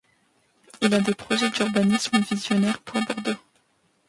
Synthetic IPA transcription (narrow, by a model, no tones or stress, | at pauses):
ilad̪epχɔʒɛd̪yʁbanisməvizjɔnɛʁpwabɔʁd̪o